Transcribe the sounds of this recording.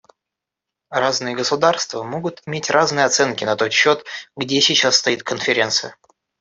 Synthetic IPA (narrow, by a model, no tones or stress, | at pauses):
raznɨjəɡəsʊd̪arst̪vəmo̞ɡʊt̪ɪmʲetʲɾaznɨjəɐt̪sɛnkʲɪnɐt̪o̞t̪ɕːo̞t̪ɡdʲesʲɪt͡ɕasːt̪ɐit̪̚kənfʲɪɾʲe̞nt̪sɨjə